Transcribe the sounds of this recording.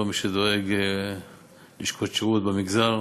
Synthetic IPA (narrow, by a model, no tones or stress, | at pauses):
miʃed̪o̞eɡ | liʃkʰot̪ʃeʁut̪̚bemiɡzal